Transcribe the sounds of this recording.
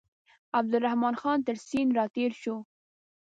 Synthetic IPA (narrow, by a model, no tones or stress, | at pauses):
ab̚d̪ʊɾahmɑnxɑnt̪əɾsinɾɑt̪eɾʃo